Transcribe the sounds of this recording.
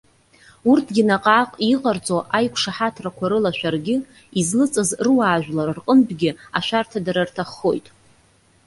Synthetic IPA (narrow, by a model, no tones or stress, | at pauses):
urtʰɡʲɪnaqʼaːqʼiqʼart͡sʼoʔajkʷʰʂaħatʰrakʷʰaɾɨlaʃʷᶣarɡʲɪ | izlɨt͡sʼɨzrɨwaːʒᶣlarrqʼəmbɡʲɪaʃʷᶣartʰadaɾartʰaχːo̞̰jtʼ